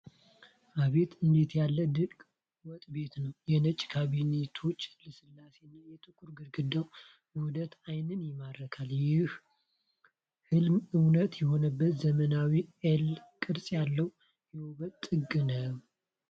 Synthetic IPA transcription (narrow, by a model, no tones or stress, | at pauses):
ʔaβe̞t̪ʰɨnd̪e̞t̪ʰjalːəd̪ɨlkʼ | wɔt̪ʼbe̞t̪nəwjɛnət͡ʃʼkʰaβinet̪ʰo̞t͡ʃːlɨsɨlːase̞nːajɛt̪ʼɨkʼuɾɡɨɾɡɨd̪əw | bəhud̪ət̪ajnɨnjɛmad̪ɾəkʰaljɪh | hɨlmɨwnət̪jɛho̞nəbːət̪zəmənawielkʼɨɾsʼjalːəw | jɛwuβət̪ʼːɨɡɨnəw